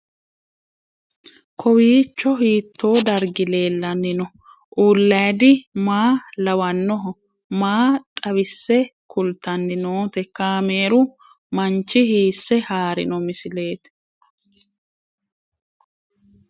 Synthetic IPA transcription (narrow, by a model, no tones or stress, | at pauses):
kɔwiːt͡ʃːɔɦiːt̪ːo̞ːd̪ɐɾɡɪle̞ːlːɐnːɪnɔ | ʔuːlːɐjd̪ɪmaːlɐwɐnːɔɦɔ | maːt̪ʼɐβɪsːɛkʰʊlt̪ɐnːɪnoːt̪ɛkaːmeːɾʊ | mɐnt͡ʃːɪhiːsːɛhaːɾɪ̰nɔmɪsɪle̞ːt̪